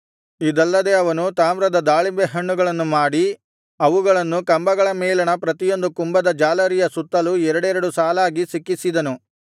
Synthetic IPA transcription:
id̪ɐlːɐd̪e̞ɐʋɐnut̪aːmɾɐd̪ɐd̪aːɭimbeɦɐɳːuɡɐɭɐnːumaːɽi | ɐʋuɡɐɭɐnːukɐmbɐɡɐɭɐmɛːlɐnɐpɾɐt̪ijo̞nd̪ukumbɐd̪ɐd͡ʒaːlɐɾijɐsut̪ːɐluɛɾɐɽɛɾɐɽusaːlaːɡisikːisid̪ɐnu

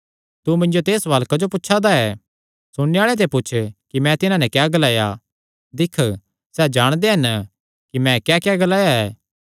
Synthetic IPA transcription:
t̪umɪ̃nd͡ʒot̪eːsʋaːlkad͡ʒopʊtːʃʰad̪aɛː | sʊɽ̃eaːɭɛt̪̬epʊtːt͡ʃʰkimɛ̃t̪ɪnãnɛkɛːɡɐlaːja | d̪ɪkʰː | sɛːd͡ʒaːɽ̃d̪eɦɐn | kimɛ̃kɛːkɛːɡɐlaːjaɛː

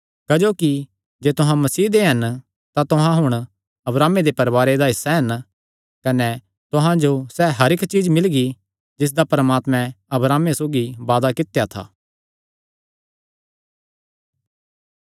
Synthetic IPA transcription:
kɐd͡ʒoːki | d͡ʒeːt̪ʊɦãmɐsiːd̪eɦɐn | t̪at̪ʊɦãɦʊɽ̃ | ɐbɾaːmed̪epɐɾʋaːɾed̪aɦɪsːaɦɐn | kɐnɛ | t̪ʊɦãd͡ʒosɛːɦɐɾɪkt͡ʃiːd͡ʒmɪlɡi | d͡ʒɪs̬d̪apɾəmaːt̪mɛ̃ɐbɾaːmesoːɡiʋaːd̪akɪt̪jat̪ʰa̰ː

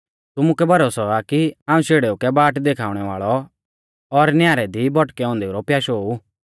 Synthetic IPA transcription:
t̪ʊmʊkɛbɐɾosɔakiãːũseːɽeːukɛbaːʈd̪eːkʰaːuɽ̃ɛʋa̰ːɭɔ | ɔɾnjaːɾɛd̪ʱibɔʈkɛɔ̃ːnd̪euɾɔpjaːʃou

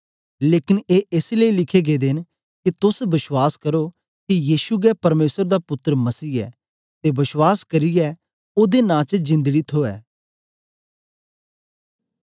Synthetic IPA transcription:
leːkɪneːʔɪsləilɪkʰeɡeːd̪en | kit̪ʊsbɪʃwaːskɐɾo | kijiːʃuɡɛpɐɾmeːsəɾd̪aːpʊt̪ːɾəmɐsiːɛ̰ː | t̪eːbɪʃwaːskɐɾijɛː | oːd̪enãːt͡ʃd͡ʒɪ̃nd̪əɡit̪ʰoɛ̰ː

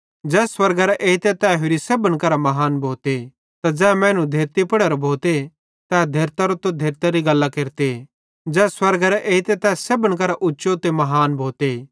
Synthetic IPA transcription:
d͡ʒɛːswɐɾɡaɾɛʔeːit̪et̪ɛɦʊɾisebənkɐɾamɐɦaːnbʱoːt̪e | t̪ad͡ʒɛːmɛ̃ːnũd̪ʱeːɾt̪ipɐɽəɾobʱoːt̪e | t̪ɛd̪ʱeːɾt̪aɾot̪od̪ʱeːɾt̪aɾiɡɐlːakeːɾt̪e | d͡ʒɛːswɐɾɡaɾɛʔeːit̪et̪ɛːsebənk̬ɐɾaʔʊːt͡ʃot̪emɐɦaːnbʱoːt̪e

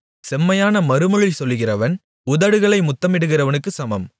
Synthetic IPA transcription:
sɛmːɐjaːnɐmɐɾɯmɐɻɪlsɔlːɯɣɪrɐʋɐn | ʊðɐɽɯɣɐɭɐɪmʊt̪ːɐmɪɽɯɣɪrɐʋɐnɯkːɯsɐmɐm

